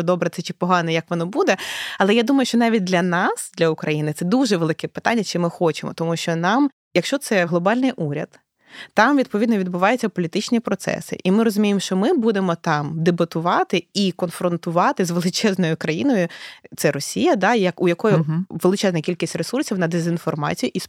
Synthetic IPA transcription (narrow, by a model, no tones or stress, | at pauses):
d̪ɔbɾɛt̪sɛt͡ʃɪ̥pɔɦɑnɛjɐkʋɔnɔbud̪ɛɐlˠɛjad̪umɐjʊʃt͡ʃɔnɑʋʲit̚ʲd̪lʲɐnɑsd̪lʲɐʊkɾɐjinɪt̪sɛd̪uʒɛʋelˠɪkɛpɪ̥t̪anʲːɐt͡ʃɪmɪxɔt͡ʃɪmɔ̰t̪ɔmuʃt͡ʃɔnɑm | jɐkʃt͡ʃɔt̪sɛɦlˠɔbɑlʲnɪjʔuɾʲɐ̰d̪ | t̪ːɑmʋʲid̪̚pɔʋʲid̪nɔʋʲid̪̚bʊʋɑjʊt͡sʲːɐpɔlʲit̪ɪt͡ʃnʲipɾɔt̪sɛ̰sɪ̰ʔimɪɾɔzʊmʲijemʃt͡ʃɔmɪbud̪emɔt̪ɑmd̪ebɐt̪ʊʋɑt̪ɪikɔnfɾɔnt̪ʊʋɑt̪ɪzʋelˠɪt͡ʃɛznɔjʊkɾɐjinɔjʊt̪sɛɾɔsʲijɐd̪ɑjɐkʊjɐkɔjʊʋelˠɪt͡ʃɛznɐkʲilʲkʲisʲtʲresursʲiwnɐd̪ezʲinfɔrmɑ̰t͡sʲijʊʔis